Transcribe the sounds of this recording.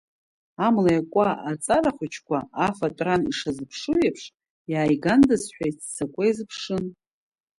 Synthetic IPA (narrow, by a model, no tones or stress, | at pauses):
amlajakʷʼaʔat͡sʼaraχʷʊt͡ʃʰkʷaafatʼranḭʂazɨpʰʂuɥepʰʂ | jaːjɡandɨzħʷᶣajtsakʷʼaizɨpʰʂɨn